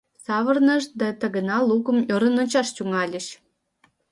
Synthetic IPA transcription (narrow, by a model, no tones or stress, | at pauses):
sɑβə̆rnə̆ʃd̪ɑt̪ə̆ɣə̆nɑlukə̆mjoɾə̆nŏt͡ɕɑʃt͡ɕuŋɑlʲə̆ʃ